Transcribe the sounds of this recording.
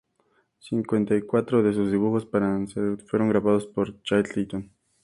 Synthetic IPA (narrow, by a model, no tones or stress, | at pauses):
siŋkwe̞nt̪ajkwat̪ɾoðe̞s̬uzðiβuxo̞spaɾansefwe̞ɾo̞ŋɡɾaβaðo̞spoɾt͡ʃat̪lit̪on